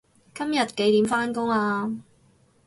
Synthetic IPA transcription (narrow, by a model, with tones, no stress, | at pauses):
kɐ˥mjɐ˨t̚ke˨˥jt̪iː˨˥mfaː˥nkʊ˥ŋaː˧